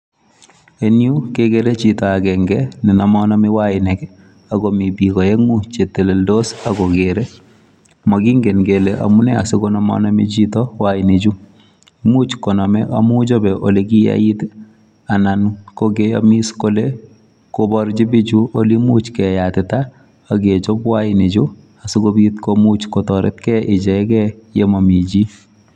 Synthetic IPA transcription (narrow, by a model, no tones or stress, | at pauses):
enjukekeɾet͡ʃitɔakɛŋɡɛninɔmɔnɔmiwaɪnɛk | aɡomibikɔjɛŋut͡ʃeteleldosaɡɔkeɾe | mɔkiŋɡenɡeleʔa̰mʊnɛa̰sɪkonɔmɔ̰nɔmḭt͡ʃitɔwaɪnid͡ʒu | mut͡ʃkɔnɔmɛʔa̰mud͡ʒobɛʔoleɡija̰jit | anankoɡea̰miskole | kobɔɾd͡ʒibid͡ʒuʔolimut͡ʃkɛjatɪtaː | ɡet͡ʃobwaɪnid͡ʒu | asɪkobitkomut͡ʃkotɔɾɛ̰tkɛʔɪd͡ʒɛɛkɛjemamid͡ʒi